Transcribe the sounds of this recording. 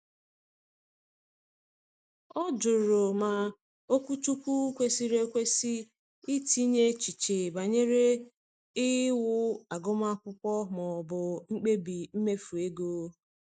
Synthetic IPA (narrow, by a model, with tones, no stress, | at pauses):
ɔ˦d͡ʒʊ˨ɾʊ˨ma˨ | o˦kʷu˦tu˦kʷu˦kʷe˦si˦ɾe˦kʷe˦si˦ | ɪ˦ti˦ɲe˦t͡ʃi˨t͡ʃe˨ba˨ɲe˦ɾe˦ | ɪ˦wʊ˦a˨ɡʊ˦ma˦kʷʊ˦kʷɔ˦mɔ˨bʊ˨ŋ͡m̩˦k͡pe˦bi˨m̩˦me˦fu˨e˦ɡo˦